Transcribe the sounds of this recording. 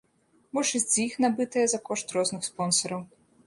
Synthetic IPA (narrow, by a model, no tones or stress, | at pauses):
bɔʂɨzʲd͡zʲjixnabɨt̪ɐjɛzɐkɔʂt̪rɔznɨxspɔnsɐɾɐw